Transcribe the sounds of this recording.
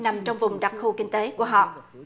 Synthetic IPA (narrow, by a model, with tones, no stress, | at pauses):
na˨˩mt͡ɕɔ˧wŋ͡mvʊ˨˩ŋ͡mɗa˨˩t̚xu˧kï˧ŋ̟t̪e˨˦ku˧˩əɦɔ̰˧˨